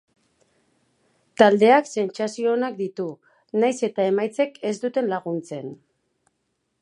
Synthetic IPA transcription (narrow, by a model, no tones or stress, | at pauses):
t̪ald̪e̞akse̞nt͡sasio̞ːnakd̪it̪u | najse̞t̪ae̞majt͡se̞ke̞zd̪ut̪e̞nlaɣunt͡se̞n